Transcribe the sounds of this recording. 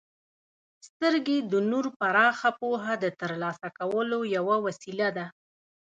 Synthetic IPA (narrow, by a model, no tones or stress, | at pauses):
st̪əɾɡed̪ənuɾpaɾɑxapoɦad̪ət̪əɾlɑsakawəlojawawasilad̪a